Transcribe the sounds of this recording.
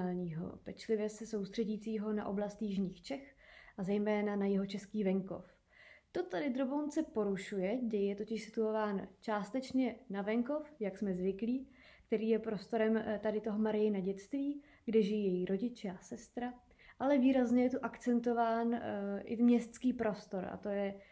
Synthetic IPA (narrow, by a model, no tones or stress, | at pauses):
alɲiːɦo̞̰pɛt͡ʃlɪvjɛsɛso̞wst̪r̥ɛɟiːt͡siːɦo̞na̰ʔo̞̰blast̪jɪʒɲiːxt͡ʃɛxʔazɛjmɛːnanajɛɦo̞t͡ʃɛskiːvɛŋko̞̰f | t̪o̞t̪adɪd̪ɾobownt͡sɛpo̞ɾuʃujɛdɛjjɛt̪o̞cɪʃsɪ̥t̪uo̞vaːnt͡ʃaːst̪ɛt͡ʃɲɛnavɛŋko̞fjaksmɛzvɪkliː | kt̪ɛɾiːjɛpɾo̞st̪o̞ɾɛmt̪adɪt̪o̞ɦomaɾɪjɪnaɟɛt̪st̪viː | ɡdɛʒɪjiːjɛjiɾʔo̞ɟɪt͡ʃɛasɛst̪ɾa | ʔalɛviːɾazɲɛjɛt̪uʔakt͡sɛnt̪o̞vaːnʔɪ̰mɲɛst̪skiːpɾo̞st̪o̞ɾa̰t̪o̞jɛ